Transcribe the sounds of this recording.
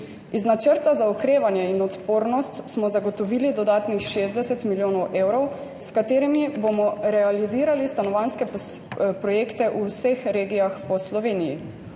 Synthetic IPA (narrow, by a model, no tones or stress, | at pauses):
iznat͡ʃəɾt̪azaukɾeːʋanjɛinɔt̪poːɾnɔst̪smɔzaɡɔt̪ɔʋiːlid̪ɔd̪aːt̪nixʃeːzd̪ɛsɛt̪miljoːnɔwʔeːwɾɔw | skat̪eːɾimibomɔɾɛaliziːɾalist̪anɔʋanskɛ | pɾɔjeːkt̪ɛʔusexɾeːɡijaxpɔslɔʋeːnijḭ